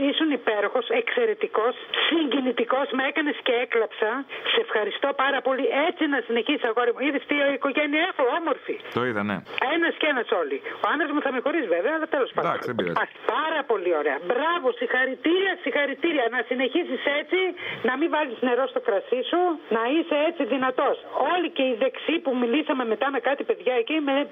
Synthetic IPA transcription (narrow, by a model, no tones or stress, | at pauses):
isunipe̞ɾo̞xo̞se̞kse̞ɾe̞t̪iko̞ssiɲɟinit̪iko̞smeekɐne̞sceeklɐpsɐsse̞fxɐɾist̪o̞pɐɾɐpo̞lie̞t͡sinɐsine̞çisi̥sɐɣoɐɾimuiðist̪ioiko̞ʝeniɐexoo̞mo̞ɾfit̪oiðɐnḛenɐscenɐso̞lioɐnðɾɐzmuθɐmexo̞ɾizveveɐːlɐt̪e̞lo̞spɐnd̪o̰ḭɐpɐɾɐpo̞lio̞ɾe̞ɐbɾɐvo̞sixɐɾit̪iɾiɐsixɐɾit̪iɾiɐnɐsine̞çisise̞t͡sinɐmivɐlizne̞ɾo̞st̪o̞kɾɐsisunɐise̞et͡siðinɐt̪o̞so̞lice̞iðe̞ksipumilisɐme̞me̞t̪ɐme̞kɐt̪ipe̞ðʝɐecime